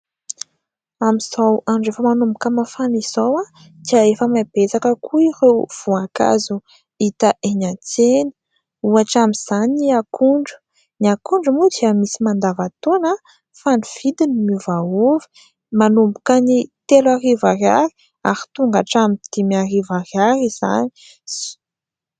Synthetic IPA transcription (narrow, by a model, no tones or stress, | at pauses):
amiz̥owaɳɖ͡ʐefəmanumbukəmafaniz̥owa | tiaefəmab̥et͡sakəkʰuirewv̥uaka̰zu | it̪aʔeɲant͡seni̥ | uaʈ͡ʂamiz̥aniakʰuɳɖ͡ʐə̥ | niakuɳɖ͡ʐumud̪iamisimand̪avat̪ona | faniv̥id̪inimuvauvi̥ | manumbukənit̪elarivarjaɾi̥ | a̰ɾi̥t̪uŋɡaʈ͡ʂamid̪̥imiaɾivarjaɾiz̥a̰ni̥